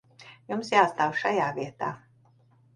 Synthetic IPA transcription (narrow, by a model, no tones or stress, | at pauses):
jumsjaːst̪aːwʃajaːviɛt̪a̰ː